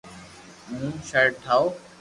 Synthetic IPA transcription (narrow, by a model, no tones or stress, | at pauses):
mũːʃəɾʈʰaːoː